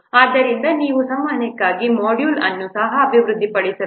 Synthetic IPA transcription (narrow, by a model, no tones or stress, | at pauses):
aːd̪ːɐɾind̪ɐniːʋusɐmːaːɐnɐkːaːɡimoːɖjuːlɐnːusɐɦɐːbʱiʋɾud̪ːipɐɽisɐɾu